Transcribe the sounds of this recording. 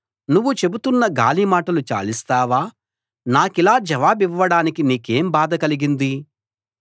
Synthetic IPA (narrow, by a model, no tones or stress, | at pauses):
nuʋːut͡ʃe̞but̪unːɐɡaːlimaːʈɐlut͡ʃa̰ːlist̪aːʋaː | naːkilaːd͡ʒɛʋaːbiʋːɐɽaːnikiniːkeːmbaːd̪ɐkɐliɡind̪i